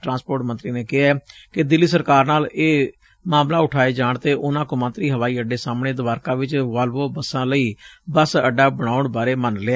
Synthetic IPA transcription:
ʈɾãːnspoːɾʈmə̃nt̪ɾiːneːkɪɦaːkɪd̪ɪlːiːsəɾkaːɾnaːleː | maːmlaːʊʈʰaːeːd͡ʒaːɳt̪eːʔʊnãːkõːmə̃nt̪ɾiːɦəʋaːiːəɖeːsaːmɳeːd̪ʊʋaːɾkãːʋɪt͡ʃʋaːlʋoːbəsãːləiːbəsəɖaːbəɽ̃aːʊɳbaːɾeːmənleaː

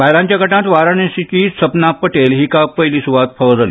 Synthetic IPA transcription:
bajlãɲt͡ɕjakəʈãt̪ʋaɾaɳesit͡ɕiːsəpnapːəʈelɦiːkappːəjliːsuʋat̪fʰəd͡zali

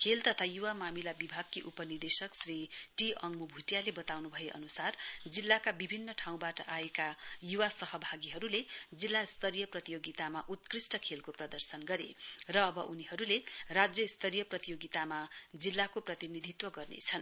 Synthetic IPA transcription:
kʰelt̪ʌt̪ʰajuwamamilabibʱaɡ̚kiʔupʌnird̪esʌksriʈiʌŋmubʱuʈjalebʌt̪awnubʱʌeʔʌ̰nusard͡zilːakabibʱinːʌʈʰaw̃baʈʌʔaekajuwasʌɦʌbʱaɡiɦʌɾuled͡zilːaist̪ʰʌɾijʌprʌt̪ijoɡit̪amaʔut̪krisʈʌkʰelkoprʌd̪ʌrsʌnɡʌɾerʌːbʌʔuniɦʌɾulerad͡zjʌist̪ʰʌɾijʌprʌt̪ijoɡit̪amad͡zilːakoprʌt̪inid̪ʱit̪wʌɡʌrnḛt͡sʰʌn

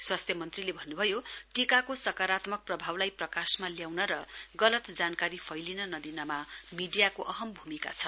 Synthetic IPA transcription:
swast̪ʰjʌmʌnt̪rilebʱʌnːubʱʌjoʈikakosʌkaɾat̪mʌk̚prʌbʱawlajprʌkasmaljawnʌɾʌɡʌlʌt̪d͡zankaɾipʰʌjlinʌnʌd̪inʌmamiɖijakoʔʌɦʌmbʱumika̰t͡sʰʌ

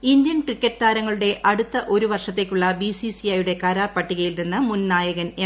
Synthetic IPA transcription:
ind̪jɐnkrikʲːɐtːɨt̪aːɾɐŋːɐɭuɽe̞ʔɐɽut̪ːɐʔo̞ɾuʋɐrʂɐt̪ːe̞ːkʲːuɭːɐbisisiɐjuɽe̞kaːɾaːpːɐʈːiɣɐjilninːɨmunnaːjɐɣɐne

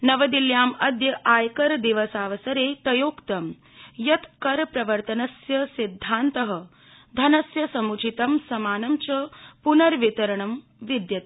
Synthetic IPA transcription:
nɐʋɐd̪iljaːmɐd̪jɐʔaːjkɐɾd̪iʋɐsaːʋɐsɐɾeːt̪ɐjoːkt̪ɐm | jɐt̪kɐɾpɾɐʋɐɾt̪ɐnɐsjɐsid̪ʱːaːnt̪ɐɦɐ̆ | d̪ʱɐnɐsjɐsɐmut͡ʃʰit̪ɐmsɐmaːnɐmt͡ʃɐpunɐɾʋit̪ɐɾɐɳɐm | ʋid̪jɐt̪i

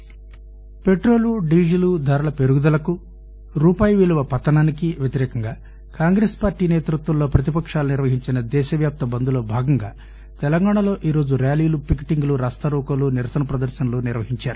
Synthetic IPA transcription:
pe̞ʈɾo̞ːluɖiːd͡ʒilud̪ʱaːɾɐlɐpe̞ɾuɡud̪ɐlɐku | ɾuːpaːjɐʋiluʋɐpɐt̪ːɐnaːnikiʋjet̪iɾɛːkɐŋɡaː | kaːŋɡɾespaːɾʈiːneːt̪ɾut̪ʋɐlːo̞ːpɾɐt̪ipɐkʂaːluniɾʋɐɦiɲt͡ʃinɐd̪ɛːʃɐʋjaːp̚t̪ɐbɐnd̪ulo̞ːbʱaːɡɐŋɡaː | t̪ɛlɐŋɡaːɳɐlo̞ːʔiːɾo̞ːd͡ʒuɾjaːliːlupikːiʈiŋɡuluɾaːst̪ɐɾuːkɐluniɾɐsɐnɐpɾɐd̪ɐɾʃɐnɐluːniɾʋɐɦiɲt͡ʃaːɾu

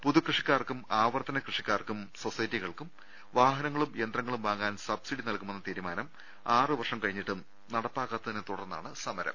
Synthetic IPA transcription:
puðukrɨʂikʲːaːrkːumaːʋɐrt̪ɐnɐkrɨʂikʲːaːrkːumso̞sɐjɐtːiɣɐɭkum | ʋaːɦɐnɐŋːɐɭumjend̪rɐŋːɐɭumbaːŋaːnsɐbsiɽinɐɭkume̞nːɐt̪iːɾumaːnɐm | aːrɨʋɐrʂɐmkɐɻiɲːiʈːum | nɐɽɐpːaːɣɐt̪ːɐðinet̪uɽɐrnːa̰ːɳɨsɐmɐɾɐ̰m

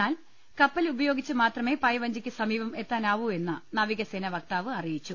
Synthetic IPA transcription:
aːl | kɐpːɐlubɐjo̞ːɡit͡ɕːɨmaːt̪rɐme̞ːpɐjɐʋɐɲd͡ʑikʲːɨsɐmiːʋɐme̞t̪ːaːnaːʋue̞nːɐnɐʋiɣɐseːnɐʋɐk̚t̪aːʋɨɐrijit͡ɕːu

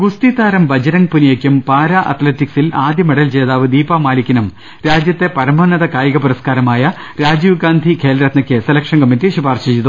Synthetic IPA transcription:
ɡust̪it̪aːɾɐmbɐd͡ʑɐnɐŋpunijekʲːumpaːɾaʔɐ̰t̪letːiksilaːd̪jɐmeɽɐlt͡ɕeːðaːʋɨd̪iːpaːmaːlikʲːinɐm | ɾaːd͡ʑjɐt̪ːe̞pɐɾɐmɐːnɐðɐkaːjɐɣɐpuɾɐskaːɾɐmaːjɐ | ɾaːd͡ʑiːʋɡaːnd̪ʱikʰeːlɐɾɐt̪nɐkʲːesɐlɐkʂɐŋɡɐmint̪ːiɕupaːrɕɐt͡ɕiðu

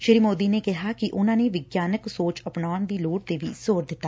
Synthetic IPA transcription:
ʃɪɾimoːd̪iːneːkɪɦaːkiʔʊnãːneːʋɪɡjaːnəksoːt͡ʃəpnaːnd̪iːloːʈ̚t̪eːʋḭːz̥oːɾd̪ɪt̪ːaː

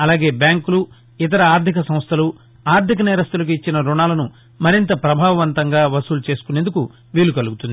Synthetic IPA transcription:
ɐlaːɡe̞ːbjaːŋkulu | it̪̬ɐɾɐaːɾd̪ʱikɐsɐ̃mst̪ʰɐlu | aːɾd̪ʱikɐnɛːɾɐst̪ulɐk̬uit͡ʃːinɐɾuɳaːlɐnu | mɐɾint̪ɐpɾɐbʱaːʋɐʋɐnt̪ɐŋɡaːʋɐsuːlut͡ʃe̞ːsu̥kunend̪uku | ʋiːlukɐluɡut̪und̪i

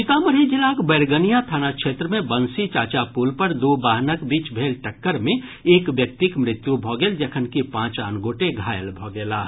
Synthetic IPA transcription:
t͡ʃɪt̪aːməɾed͡ʒilaːkbeːɾɡənijat̪ʰaːnakʃeːt̪ɾəmẽbənsit͡ʃaːt͡ʃapuːlpəɾd̪oːbaːɦnəkbiːt͡ʃbʱeːlʈəkːəɾmẽeːkʋjək̚t̪ikmɾɪt̪jubʱɔːɡeld͡ʒəkʰənkipãːt͡ʃaːnɡoːʈeɡʱaːjəlbʱɔːɡeːlaː

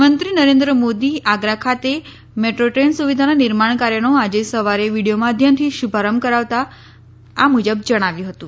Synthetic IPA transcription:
mənt̪ɾinəɾẽnd̪ɾəmod̪iaɡɾakʰat̪e | meʈɾoʈɾensuʋid̪ʱananɪɾmaɳ̃kaɾjənoad͡ʒesəʋaɾeʋiɽijomãd̪ʱjəmt̪ʰiʃubʱaɾəmkəɾaʋt̪a | amud͡ʒəbd͡ʒəɽ̃aʋjũɦət̪ũ

